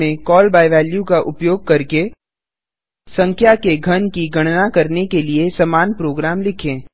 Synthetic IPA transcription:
ẽkɔːlbaːɪʋɛːljũkaʔʊpjoːɡ̚kɐɾke | sɐ̃ŋkʰjakeɡʱɐnkiɡʱɐɽ̃nakɐɾnekeliesɐmaːnpɾoːɡɾaːmlɪkʰẽː

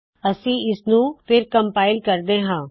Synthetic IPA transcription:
əsĩːɪsnũːpʰɪɾkəmpaːɪlkəɾd̪eːɦãː

